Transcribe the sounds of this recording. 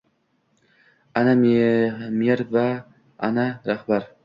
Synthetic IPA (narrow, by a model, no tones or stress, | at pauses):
anam | meɾva | a̰naɾahbaɾ